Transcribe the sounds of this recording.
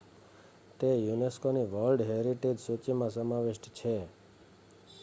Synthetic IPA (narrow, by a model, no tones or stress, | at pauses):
t̪ejuneskoniʋəlɖɦeɾiʈed͡ʒsut͡ʃimãsəmaʋeʃʈt͡ʃʰe